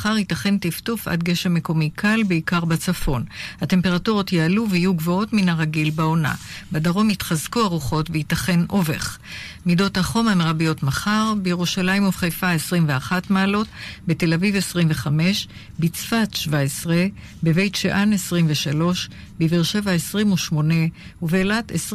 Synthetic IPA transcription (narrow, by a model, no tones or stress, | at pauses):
χaʁitaχe̞ntiftufʔa̰dɡe̞ʃame̞ko̞mikʰalbeikaʁbat͡safo̞nhate̞mpe̞ʁatuʁo̞tjaaluvehijuɡvo̞o̞tminaʁaɡilbaona̰badaʁo̞mitχazkuaʁuχo̞tvehitaχe̞nʔo̞vḛχmido̞thaχo̞mameʁabijo̞tmaχaʁbejeʁuʃalaimuvχejfaesʁimveaχatmaːlo̞tbete̞lavivesʁimveχame̞ʃ | bit͡sfatʃvaesʁe̞ | beve̞jtʃeʔanesʁimveʃalo̞ʃ | beviʁʃevaesʁimuʃmo̞ne | uveːlates